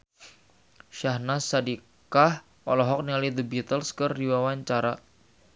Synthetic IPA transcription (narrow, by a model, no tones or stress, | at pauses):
ʃahnasadi | kah | ʔɔlɔɦɔk̚nialid̪əbit̪əlskɨrdiwawaɲt͡ʃaɾa